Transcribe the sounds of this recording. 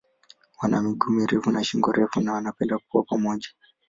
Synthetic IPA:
wanʔamiɡumiɾɛfunaʃiŋɡɔɾɛfunawanapɛndakukuwapamɔʄḁ

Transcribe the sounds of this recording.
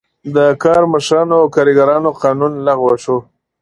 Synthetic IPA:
d̪əkɑɾməʃɾɑnoawkɑɾiɡaɾɑnoqɑnunlaɣwaʂo

